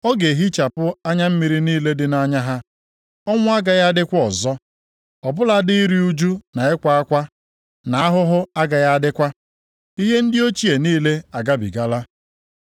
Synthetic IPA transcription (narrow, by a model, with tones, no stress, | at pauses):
ɔ˦ɡe˨ɦi˦t͡ʃa˨pʊ˦a˦ɲa˦m̩˦mi˨ɾi˦niː˦le˦dɪ˦na˦ɲa˦ɦa˦ | ɔ˦ŋʷʊ˦a˦ɡa˨ja˦dɪ˦kʷɔ˨zɔ˦ | ɔ˨bʊ˦la˦di˦i˦ɾi˦u˦d͡ʒu˦na˨ɪ˦kʷa˦a˦kʷa˦ | na˨a˦ɦʊ˦ɦʊ˦a˦ɡa˨ja˦dɪ˦kʷa˦ | i˦ɦe˦n̩˦dɪ˦o˦t͡ʃi˦e˨niː˦le˦a˨ɡa˦bḭ˨ɡa˦la˦